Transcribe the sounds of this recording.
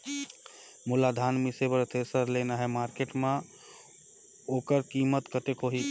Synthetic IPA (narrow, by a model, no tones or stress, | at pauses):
mulad̪ʱanmisebəɾt̪ʰesəɾlenaɦɛmaɾkeʈmẽ | okəɾkimət̪kət̪ekɦoɦi